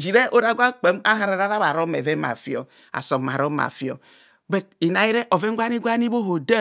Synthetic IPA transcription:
d͡ʒi˨ɾe˦ʔo˦ɾa˦ɡʷa˦k͡pe˨˦ma˦ɦa˨ɾa˨ɾa˦ɾa˦βa˨ɾo˦mḛ˨ve˦ma̰˨fi˦o̰˨ | a̰˨so˨ma˨ɾo˦ma̰˨fi˦o̰˨ | be˨ti˨na˨ji˦ɾe˦ʔo˨ve˦ŋ˦ɡʷa˦ni˦ɡʷa˦ni˦bo˦ɦo˨da˦

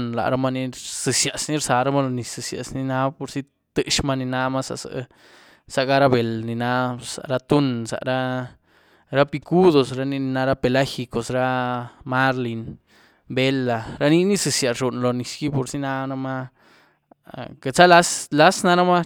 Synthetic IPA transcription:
nla̰˨ɾa˦ma˦ni˧sɨ˧sja˨sni˦ɾsa˨ɾa˦ma˦lo˧ni˨sɨ˨sja̰˨sni˧na˦po˧ɾsi˦ | t̪ɨ˦ʔʃma˦ni˧na˧ma˦sa̰˨sa̰˨ | sa˨ɡa˦ɾa˦be˨lni˨na˧˦sa̰˨ɾa˧t̪u˦nsa̰˨ɾa˦ | ɾa˦pi˧ku˦d̪o˨sɾa˦ni˦ni˧na˦ɾa˦pe˧la˦xi˧ko˨sɾa˦ma˦ɾli˨n | be˦lːa˨ɾa˦ni˦ni˦sɨ˧sja˨ʐu˨nlo˨ni˨ski˦po˨ɾsi˦na˦na˧ma˦ | ke˨t͡sa˦la˦sla˦sna˦ɾa˦ma˦

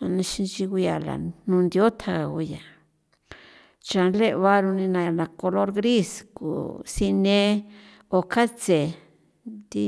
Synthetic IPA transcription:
a˧nã˧ʃi˧nt͡ʃi˧ɣu˧ja˨la̰˨nũ˧nd̪i˧o˦t̪ʰa˧ɣa˨ɣu˧ja˨ | t͡ʃa˨˧nle˦˧βa˦ɾu˧nĩ˧nã˧a˨nã˨ko˧lo˦ɾɣɾi˦skṵ˨si˧nẽ˦ | o˨kʰa˦t͡se˨ | d̪i˧

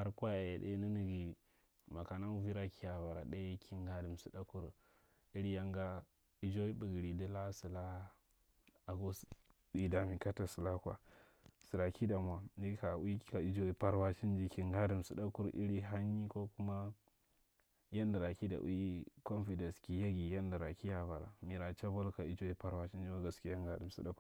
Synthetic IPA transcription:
ha˨ɾkʷa˦ja˨je˨ɗḛ˦ni˦ni˦˨ɡi˨ | ma˨ka˨na˦vi˦ɾa˦ki˦ja˨va˨ɾa̰˨de˦kʰi˦ŋɡa˦du˨m˨su˦da˦ku˦ɾ | i˦ɾi˦ja˦ŋɡa˦ | i˦d͡ʒo˦i˦bə˨ɡi˨ɾi˨di˦la˦si˨la˦ | a˨ɡo˦ | bi˨da˨mi˨ka˦ta˨sə˨la˦kwa̰˨ | si˨ɾa˨ki˦da˨mʷ˨a˨ni˦ka˨˦i˦ka˨i˨d͡ʒo˦i˨pa˦ɾwa˦t͡ʃi˦nd͡ʒi˦ki˨ŋɡa˦du˨msu˨da˦ku˦ɾʔḭ˦ɾi˦ɦa˦ɲ˦i˦ko˦ku˦ma˦ | ja˦nda˨ɾa˨ki˦da̰˨ʔṵ˦i˦ko˦nfi˨de˨ski˨ja˦ɡi˨ja˦nda˨ɾa˨ki˦ja˨ba˨ɾa̰˨mi˨ɾa˨t͡ʃa˦bo˦lka˨i˦d͡ʒo˦i˦pa˦ɾwa˦t͡ʃi˦nd͡ʒi˦a˦ɡa˨ski˦a˦ŋɡa˦du˨msḭ˦ɗa˦ku˦

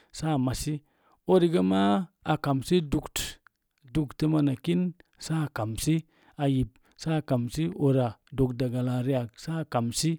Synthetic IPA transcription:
sa˦˨ma˨si˦ | o˦ɾi˨ɡə˦ma˦a˨ka˨msi˦du˨kt | du˨ktə˦ma˧na˨ki˦nsa˦˨ka˨msi˦ | a˨ji˨p̚ | sa˦˨ka˨msi˦o˨ɾa˨do˨k̚da˨ɡa˨la˨ɾi˦a˨ksa˦˨ka˨msi˦

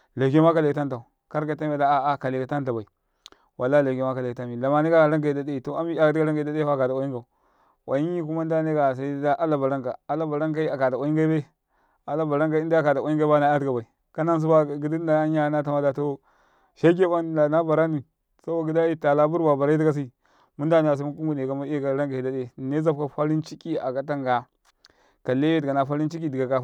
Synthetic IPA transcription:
le˨ke˦ma˦ka˨le˨kta˦nta˨u˨ | ka˦ɾka˨ta˦a˨da˦a˨a˦ka˨le˨ka˨˦ta˦nta˨ba˨i˨ | wʔa˨lːa˦le˨ke˦ma˦ka˨le˨ka˦mi˨la˨ma˨ni˦ɡa˦a˨ɾa˦ŋɡa˨i˨da˨da˦i˨to˨a˦mi˦a˦di˦ɡa˦ɾa˦ŋɡa˨˦˨da˦da˦a˦˨ka˨da˨wa˨˦i˦ŋɡa˨u˨ | wa̰˨ji˦ɲi˦k̬u˦ma˦n˦da˦ne˦ɡa˨s̬a˦i˦da˦ʔa˦la˨ba˨ɾa˦ŋka˨a˦˨la˦ba˨ɾa˦ŋka˦i˦a˨ka˨da˨wa˨ji˦ŋɡa˦ba˦ | a˨la˦ba˨ɾa˦ŋka˦i˦da˦˨ka˨da˨a˨˦i˦ŋɡa˦ba˦na˨˦a˦dɡa˨ba˨i˨ | ka˦na˦ns̬u˦ba˦˨ɡi˨di˦n˦a˨a˦ɲ˦a˦na˦t̬a˦ma˦da˨to˦ | ʃa˦ɡ̬e˦wa˦n˨da˨na˦ba˨ɾa˦ni˨ | sa˦bo˨ɡi˦da˦i˦ta˨la˦bu˦ɾba˨ba˨ɾa˦i˦i˦ɡa˦s̬i˦˨ | mu˦nda˦n˦a˨s̬a˦mu˦ku˦ŋɡu˨ne˨ka˨ma˦˨ka˨˦ɾa˦ŋɡa˨i˨da˦de˦˨ne˦za˦bka˨fa˦ɾi˦nt͡ʃi˦kʲi˦a̰˨ka˦t̬a˦ŋɡa˨ | ka˨le˦je˦dɡa˨na˨fa˦ɾi˦nt͡ʃi˦ki˦di˨ɡa˨ka˨

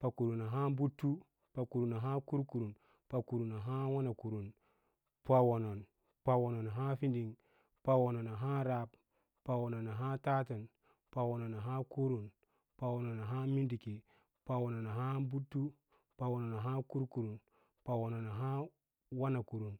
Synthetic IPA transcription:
pa˨ku˨ɾu˨na˨ɦa˦bu˦tːu˦ | pa˨ku˨ɾu˨na˨ɦa˦ku˦ɾku˨ɾu˨n | pa˨ku˨ɾu˨na˨ɦa˦wa˦na˨ku˨ɾu˨n | pa˨wo˨no˨n | pa˨wo˨no˨na˨ɦa˦fi˦ndi˨ŋ | pa˨wo˨no˨na˨ɦa˦ɾa˦b | pa˨wo˨no˨na˨ɦa˦ta˦ta˨n | pa˨wo˨no˨na˨ɦa˦ku˦ɾu˨n | pa˨wo˨no˨na˨ɦa˦mi˦ndi˨ki˨ | pa˨wo˨no˨na˨ɦa˦bu˦tːu˦ | pa˨wo˨no˨na˨ɦa˦ku˦ɾku˨ɾu˨n | pa˨wo˨no˨na˨ɦa˦ | wa˦na˨ku˨ɾu˨n

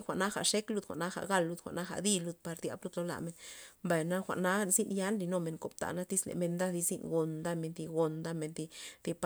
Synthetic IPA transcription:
xʷa˨ʔna˦xa̰˨ʂe˦klu˧d̪xʷa̰˨ʔna˦xa̰˨ɡa˧˨lːu˧d̪xʷa̰˨ʔna˦xa̰˨d̪i˧lu˧d̪̚pa˧ɾd̪ʲja̰˧˦blu˧d̪lo˦la̰˧˨me˧nmba˧jna˦xʷa̰˨ʔna˦zi˦nja˦nɾi˧no˧me˧˨ŋko˨b̚t̪a̰˨na˦t̪i˦slḛ˨me˧nd̪a˦d̪i˧zi˧nɡo˨nd̪a˦me˧nd̪i˧ɡo˨nd̪a˦me˧nd̪i˧d̪̥i˧p

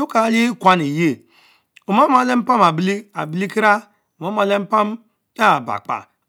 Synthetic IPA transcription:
u˦ka˨˦le˦kʷa˦ni˨je˦ | o˨ma˦m˦a˨le˦m̩˦pa˦m˨a˨bli˦a˨bi˦li˦ki˦ɾa˦ | o˨ma˦m˦a˨le˦m̩˦pa˦m˦ | a˦˨ba̰˨k͡pa̰˨

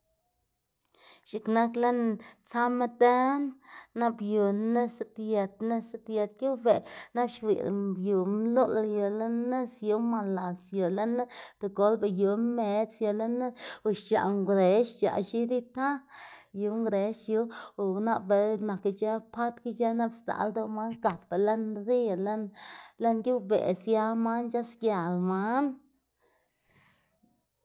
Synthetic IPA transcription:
ʃi˨kna˦kle˦nt͡sa˦me˦t̪e˦nːa˦bju˨ne˦sa˦t̪je˨t̪̚ne˦se˧t̪je˧t̪̚ku˦be˨na˦bʃwḭ˨lbju˨mlo˦ljo˨le˦ne˦sju˧˦ma˧la˨sjo˨le˦na˦t̪o˨ɡo˨˦lbe˨ju˨me˨t͡sjo˨le˦ne˦u˨ʃt͡ʃa̰˨ŋɡɾe˨˦ʃt͡ʃa̰˨ʃi˦ɾi˦t̪a˦ju˧˦ŋɡɾe˨˦ʃju˧˦˨na˦be˨na˨ki˧t͡ʃa˦pʰa˦t̪ki˦t͡ʃa˦na˦bst̪a̰˧˨ld̪u˦˧ma˦nka˨pe˨le˦nɾi˦˨le˦nle˦nɡʲi˦bḛ˨sja˧ma˦nt͡ʃa˦skja˨lma˦n

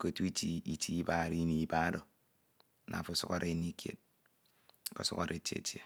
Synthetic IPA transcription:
ko˨tu˦i˦ti˦i˦tʰi˦i˦ba˦˨ɾi˦ni˨i˦ba˦ɾo˨˦ | nʔa̰˨fu˦su˦ka̰˦ɾʔe˦i˦ni˦kjḛ˨t̚ | ko̰˨sṵ˦ka˨ɾʔe˨tḛ˨˦tje˨

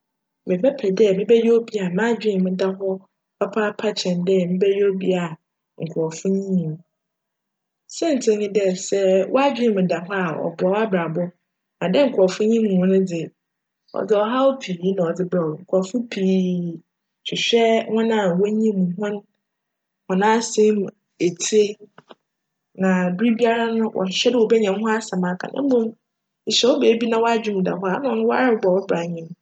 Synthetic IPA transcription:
mɪ̃˨bɛ˦pʰɛ˨dɛ˦˨mɪ̃˦bɛ˦jo˦o˦bi˦a˨mã˦d͡ʑᶣɪ˦˨mɪ̃˨da˦ɦɔ˦ | pʰa˦pʰa˦pʰa˦t͡ɕʰɛ̃˨ndɛ˦˨mɪ̃˦bɛ˦jo˦bi˦a˨ | ŋ̩˨kʰʊ˨ɔ˨fʊ̃˦ɲĩ˦˨ | sɛ̃˦n̩˨tʰɪ̃˨ɲĩ˦dɛ˨sɛ˦wʔɔ˦a˦d͡ʑᶣɪ̃˦˨mɪ̃˨da˨ɦɔ˦a˨ɔ̰˨bɔ˨wa˦bɾa˨bɔ˦ | nã˨dɛ˦ŋ̩˨kʰʊ˨ɔ˨fʊ̃˦ɲĩ˦mũ˨˦nʊ̃˦d͡zɪ˨ | ɔ̰˨d͡zɪ˦ɔ˨ɦa˦wɔ˦pʰi˨˦nã˨ɔ˨d͡zɪ˦bɾa˨wŋ̩˨kʰʷʊ˨ɔ˨fʊ˦pʰiː˨ | t͡ɕʰᶣɪ˨ɕᶣɛ˦hʊ̃˦nã˦˨wɔ˦ɲĩ˦mũ˨ɦʊ̃˦n | hɔ̃˨nã˦˨sẽ˦m | e˨tʰi˦e˦ | nã˨du˦bi˦a˦ɾa˦nʊ̃˦wʔɔ̰˨ɕᶣɛ˦dɪ˦˨wɔ˨bɛ˦ɲɛ̃˨m˦ɦʊ̃˦a˦sa˨mã˨kʰa̰˨nʔã̰˦bõ˦m̩˨ | ɕɛ˨wɔ˦beː˨˦bi˦nã˦wɔ˦a˦d͡ʑᶣĩ˦˨m˨da̰˨ɦʊ˦a˨˦nʊ̃˦nʊ̃˦wɔ˦a˦ɾɪ˦bɔ˨wɔ˦bɾa˨ɲɪ̃˦m

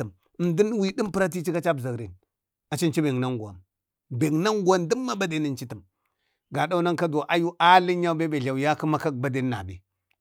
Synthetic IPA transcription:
ə˨m˨ | ndi˦n˦wi˨di˦mpə˦ɾa˦t̬i˦t͡ʃi˦ka˦t͡ʃa˦bza˨ɡɾe˨n | a˨t͡ʃi˦nt͡ʃi˦be˨ŋna˦ŋɡu˨a̰˨m | be˨ŋna˦ŋɡu˨a˦ndə˦mːa˦ba˦de˨ni˦nt͡ʃi˦tə˨m | ɡa˨da˦wna˦ŋka˦do˨ʔa˦ju˦ʔa˦li˦a˦be˦be˨a˨wu˨ja˦kə˦ma˦ka˦k̚ba˦de˦n˦na̰˨bḛ˨

